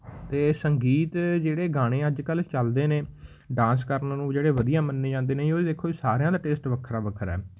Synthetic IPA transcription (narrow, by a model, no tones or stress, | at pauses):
t̪eːsəŋɡiːt̪d͡ʒeːɽeːɡaːɽ̃ẽːəd͡ʒkəlt͡ʃəld̪eːnẽː | ɖãːnskəɾnnũːd͡ʒeːɽeːʋəd̪ijãːmənːeːd͡ʒãːnd̪eːneːioːɾiːd̪eːkʰːoːiːsaːɾejãːd̪aːʈeːsʈʋəkʰəɾaːʋəkʰəɾɛ̰ː